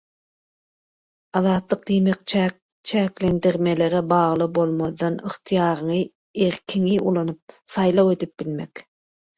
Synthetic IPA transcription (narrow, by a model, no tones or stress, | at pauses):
ɑðɑːt̪lˠɯq̚d̪ijmek̚ | t͡ʃʰæːkle̞nd̪iɾme̞le̞ɾebɑːʁlˠɯbo̞lˠmoðːɑnɯχt̪ʰɯjɑːɾɯɴɯ | eɾkʰiŋiulˠɑnup̚sɑjlˠɑwed̪yp̚bilme̞̰k